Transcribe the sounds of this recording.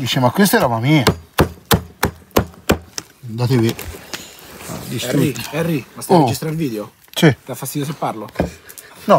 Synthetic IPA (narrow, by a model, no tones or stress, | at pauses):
d̪iːt͡ʃemakwest̪aɛɾɔbamiːa | nd̪at̪evi | a̰d̪ist̪ɾuiɛrːimast̪od͡ʒist̪ɾaɾilviːd̪eo | t͡ʃit̪afːast̪iios̬epːaɾlo | nɔ